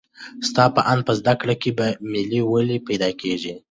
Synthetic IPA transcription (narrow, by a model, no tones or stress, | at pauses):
st̪ɑpəʔand̪̚pəzd̪akɽakebamiliwəlipajd̪ɑkeʒi